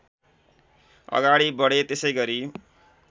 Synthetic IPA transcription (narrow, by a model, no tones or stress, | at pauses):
ʌ̰ɡaɽibʌɽet̪esʌjɡʌɾi